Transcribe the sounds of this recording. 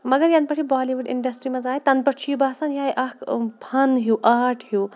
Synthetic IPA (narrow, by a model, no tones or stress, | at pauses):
mɐɡɐɾjɐnpɐʈʰibaːliʋuɖḭɳɖɐsʈɾimɐzaːjit̪ɐnpɐʈt͡ʃʰiːbaːsanjaːjʔɐkpʰɐnɦuʔaːʈʰɦuː